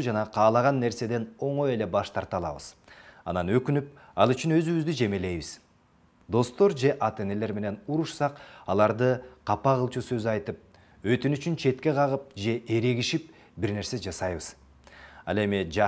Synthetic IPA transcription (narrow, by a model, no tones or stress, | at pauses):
ud͡ʒɑnɑqʰɑːlˠɑʁɑnːe̞ɾse̞d̪e̞no̞ɴo̞je̞le̞bɑʃt̪ɑɾt̪ɑlˠɑ̰βɯ̰z̥ɑ̰nɑnø̞kynyp̚ | ɑlˠyt͡ʃynø̞zyβyzd̪yd͡ʒe̞mele̞jβiz̥ | d̪o̞st̪o̞ɾd͡ʒe̞ʔɑt̪e̞ne̞le̞ɾme̞ne̞nuɾuʃsɑqɑlˠɑɾd̪ɯqʰɑpɑʁɯlˠt͡ʃusø̞zɑjt̪ɯp̚ | øt̪ynyt͡ʃynt͡ʃʰe̞t̪ke̞qʰɑʁɯp̚d͡ʒe̞ʔe̞ɾe̞ɡiʃip̚ | biɾne̞ɾse̞d͡ʒɑsɑjβɯz̥ | ɑ̰lˠe̞mid͡ʒ